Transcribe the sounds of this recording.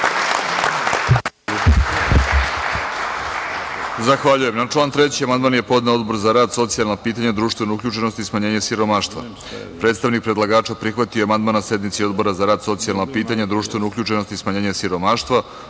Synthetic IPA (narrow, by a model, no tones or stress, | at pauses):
zaxʋaʎuje̞mnat͡ʂlˠaːnt̪ɾet͡ɕiamand̪maːnje̞po̞d̪neo̞d̪bo̞ɾzaɾaːd̪so̞t̪sijalnapiːt̪aɲad̪ɾuːʃt̪ʋe̞noukʎʲuːt͡ʃe̞no̞st̪ismaɲe̞ːɲasiɾo̞maːʃt̪ʋa̰ | pɾet̪st̪aʋnik̚pɾe̞d̪lˠaɡaːt͡ʃapɾixʋat̪ioamand̪maːnase̞d̪mit̪sio̞d̪bo̞ɾazaɾaːd̪so̞t̪sijalˠnapiːt̪aɲad̪ɾuːʃt̪ʋe̞noukʎʲuːʈ͡ʂe̞no̞st̪ismaɲeːɲesiɾo̞maːʃt̪ʋa